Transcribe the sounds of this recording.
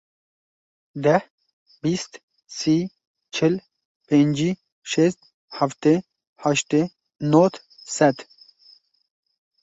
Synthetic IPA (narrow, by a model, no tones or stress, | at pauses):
d̪ɐh | bist̪ | si | t͡ʃʰil | pend͡ʑi | ʃest̪̚ | hɐft̪e | hɐʃt̪e | not̪ʰ | sɐt̪ʰ